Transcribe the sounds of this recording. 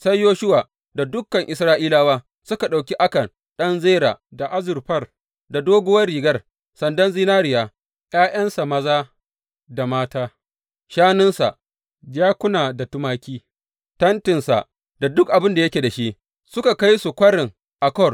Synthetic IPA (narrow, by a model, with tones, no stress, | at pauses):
sa˦jjoː˦ʃʊ˦waː˨ | da˨dʊ˦kːɐ˨ŋʔɪ˨sɾaː˦ʔiː˦laː˦waː˦ | sʊ˦ka˨ɗa˨wkʲi˦ʔa˦kɐ˨n | ɗɐ˦nzeː˦ɾa̰ː˨da˨ʔa˦zʊ˨rɸɐ˦r | da˨doː˦ɡʊ˦wɐ˦rɽiː˨ɡɐ˦r | sɐ˨ndɐ˦nziː˦naː˦ɾɪ˨jaː˨ | j̰aː˦j̰ɐ˦nsa˨mɐ˦zaː˦ | da˨maː˦taː˦ | ʃaː˦nʊ˦nsa˨ʔ | d͡ʒaː˦kʷʊ˦naː˨da˨tʊ˦maː˦kʲiː˦ | tɐ˦ntɪ˨nsa̰˨ | da˨dʊ˦k̚ʔa˨bɪ˦nda˨jɐ˦kʲeː˨da˨ʃi˦ʔ | sʊ˦ka˨ka˦jsu˨kʷɐ˦ɽɪ˨ŋ | ʔa˨kɔ˦˨r